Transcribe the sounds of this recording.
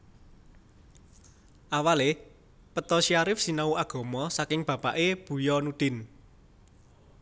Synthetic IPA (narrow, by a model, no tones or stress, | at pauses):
ʔawale | pət̪ɔʃiaɾɪfsinauaɡ̥ɔ̤mɔsakɪŋb̥ä̤b̥aʔeb̥ṳjɔnud̪̥ɪ̤n